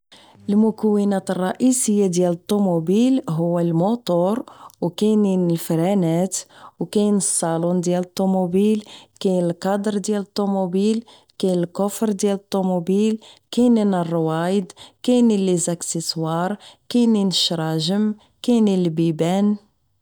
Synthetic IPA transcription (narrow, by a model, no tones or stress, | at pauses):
ʔəlmʊkəwːənæt̪ərˤːɑʔisəjːad̪jælət̪ˤːomubilɦʊwːælmot̪ˤoɾwkæjninəlfɾænæt̪wkæjnəsˤːɑlund̪jælət̪ˤːomubilkænəlqɑd̪əɾd̪jælət̪ˤːomubil | kænəlkʊfɾd̪jælət̪ˤːomubilkæjninərˤːwɑjəd̪kæjnilizaksəswɑɾˤkæjninəʃɾˤɑʒəm | kænilbibæn